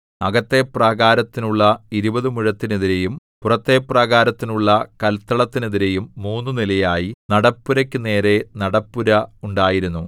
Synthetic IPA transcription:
ɐɣɐt̪ːe̞prɐɣaːɾɐt̪ːinuɭːɐiɾubɐðɨmuɻɐt̪ːineðiɾe̞jum | purɐt̪ːe̞prɐɣaːɾɐt̪ːinuɭːɐkɐlt̪ːɐɭɐt̪ːineðiɾe̞jumːuːnːɨnilɐjaːjinɐɽɐpːuɾɐkʲːɨne̞ːɾe̞nɐɽɐpːuɾɐuɳɖaːjiɾunːu

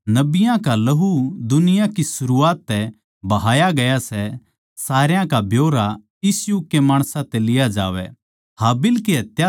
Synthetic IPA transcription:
nɐbɪjãkalɐɦud̪ʊnɪjakisʊɾuaːt̪ːɛ | bɐɦaːjaɡɐjasɛ | saːɾjãkabʱjoːɾa | iːsjukːemaːɽ̃sãt̪ɛlɪjad͡ʒa̰ːʋɛ̰ | ɦaːbɪlkiɦɐt̪ja

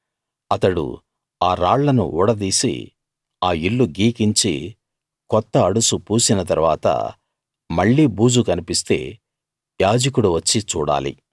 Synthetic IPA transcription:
ɐt̪ɐɽṵ | aːɾaːɭlɐnṵuːɽɐd̪iːsḭ | aːiɭːuɡiːkiɲt͡ʃi | kɔt̪ːɐːɽusupuːsinɐt̪ɐɾʋaːt̪ɐ̰ | mɐɭːiːbuːd͡ʒukɐnipist̪e̞̰ː | jaːd͡ʒɐkuɽuʋɐt͡ʃːit͡ʃuːɽa̰ːlḭ

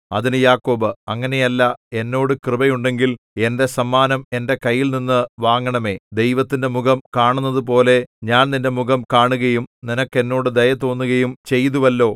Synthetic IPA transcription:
ɐ̰ðinɨjaːkːo̞ːbɨɐŋːɐne̞jɐlːɐe̞nːo̞ːɽɨkrɨbɐjuɳɖe̞ŋɡil | e̞nde̞sɐmːaːnɐme̞nde̞kɐjːilninːɨʋaːŋːɐɳɐme̞ːd̪e̞jʋɐt̪ːinde̞muɣɐmkaːɳunːɐðupo̞ːle̞ɲaːnninde̞muɣɐmkaːɳuɣɐjumninɐkːe̞nːo̞ːɽɨd̪ɐjɐt̪̬o̞ːnːuɣɐjumt͡ɕe̞jt̪uʋɐlːo̞ː

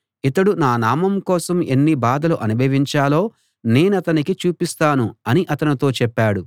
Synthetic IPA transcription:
it̪ɐɽunaːnaːmɐmkɔːsɐme̞̰nːibaːd̪ɐluʔɐnubʱɐʋiɲt͡ʃaːlo̞ː | ne̞ːnɐt̪ɐnikit͡ʃuːpist̪aːnuɐniʔɐt̪ɐnit̪o̞ːt͡ʃɛpːaːɽu

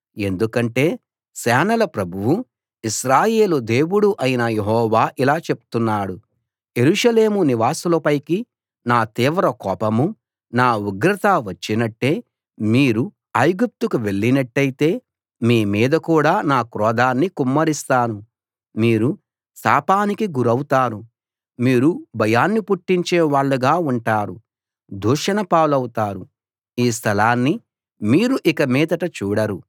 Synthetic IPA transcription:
e̞nd̪ukɐɳʈe̞ː | sɛːnɐlɐpɾɐbʱuwu | iʃɾaːje̞ːlud̪e̞ːwuɽuʔɐjinɐje̞ɦɔːʋaːʔilaːt͡ʃe̞p̚u̥t̪unːaːɽu | je̞ɾuʂɐle̞ːmuniʋaːsulɐpɐjki | naːt̪iːʋɾɐkɔːpɐmu | naːuɡɾɐt̪aːʋɐt͡ʃːinɐʈːe̞ː | miːɾu | ɐjɡup̚t̪ukuʋe̞ɭːinɐʈːɐjit̪e̞ː | miːmiːd̪ɐkuːɽaːnaːkɾɔːd̪aːnːikumːɐɾist̪aːnu | miːɾu | saːpaːnikiɡuɾɐwut̪aːɾu | miːɾubʱɐjaːnːipuʈːiɲt͡ʃeːʋaːɭːuɡaːuɳʈaːɾu | d̪ʱuːʂɐnɐpaːlɐwut̪aːɾu | iːst̪ʰɐlaːnːi | miːɾuʔikɐmiːt̪ɐʈɐt͡ʃuːɽɐɾu

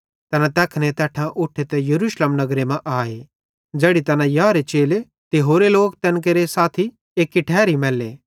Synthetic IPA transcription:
t̪ɛːnãt̪ɛːkʰnɛt̪ɛːʈʰãʔʊʈʰːet̪ɛjɐɾuːʃləmnɐɡɾemãʔaːe | d͡ʒeːɽit̪ɛːnãjaːɾet͡ʃeːle | t̪eɦoːɾeloːkt̪ɛːnk̬eɾesaːt̪ʰi | eːkːiʈʰɛːɾimɛːlːeː

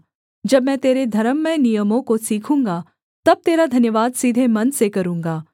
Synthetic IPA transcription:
d͡ʒɐbmɛ̃ːt̪eːɾed̪ʱɐɾəmːɛ̃ːnijəmõkosiːkʰũːŋɡa | t̪ɐb̚t̪eːɾad̪ʱɐnjəʋaːd̪siːd̪ʱemɐnsekɐɾũːŋɡaː

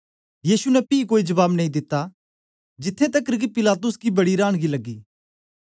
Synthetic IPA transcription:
jiːsunɛpiːkoːid͡ʒɐʋaːbnɐĩd̪ɪt̪ːa | d͡ʒɪt̪ʰːẽt̪̬ɐkɾɪk̬ipɪlaːt̪ʊskibɐɽiɾaːɽ̃ɡilɐɡːḭː

